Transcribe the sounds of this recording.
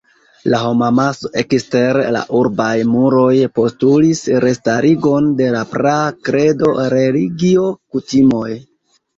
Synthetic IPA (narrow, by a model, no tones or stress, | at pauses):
laɦo̞mamasoʔekste̞ɾla̰ʔuɾbajmuɾo̞jpo̞stulisɾe̞staɾiɡo̞nde̞lapɾakɾe̞do̞ɾe̞liɡio̞kutimo̞j